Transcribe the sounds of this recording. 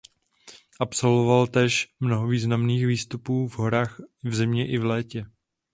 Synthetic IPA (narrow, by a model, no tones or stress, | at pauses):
ʔapso̞lvovalt̪ɛːʃmnoɦoviːznamniːxviːst̪upuːvɦo̞ɾaːxvzɪmɲɛʔɪvlɛːcɛ